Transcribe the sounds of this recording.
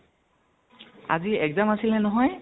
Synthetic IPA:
a̰ziɛkzamasilɛnɔɦɔj

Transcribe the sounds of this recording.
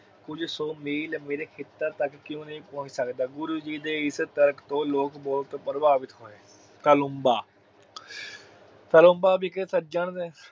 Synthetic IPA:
kʊd͡ʒsoːmiːlmeːɾeːkʰɪt̪ːaːt̪əkːɪjõːnəĩːpɔ̃ːt͡ʃsəkd̪aːɡʊɾuːd͡ʒiːd̪eːɪst̪əɾkt̪õːloːkbɔːlt̪pəɾəbaːʋɪt̪ɦoːẽː | kəlombaː | k̪əlõːmbaːbiːkesətd͡ʒaːɳd̪eː

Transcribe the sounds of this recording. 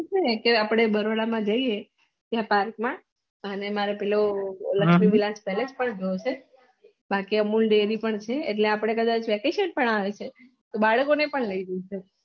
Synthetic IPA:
t͡ʃʰekeapɽ̃ebəɾoɽamãd͡ʒəie | t̪japaɾkmã | ənemaɾepɛloləkʃmiʋilãspɛled͡ʒpəɳɡʱəjot͡ʃʰe | bakiəmulɖeɾipəɳt͡ʃʰeːʈleapɽ̃ekəd̪ãt͡ʃʋɛkeʃənpəɳaʋet͡ʃʰe | t̪obaɭkonepəɳləiɾəut͡ʃʰe

